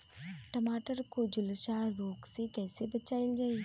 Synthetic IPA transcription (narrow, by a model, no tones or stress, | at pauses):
ʈɐmaːʈəɾkod͡ʒʊlʃaːɾoːksekɛːsebɐt͡ʃaːɪld͡ʒaːi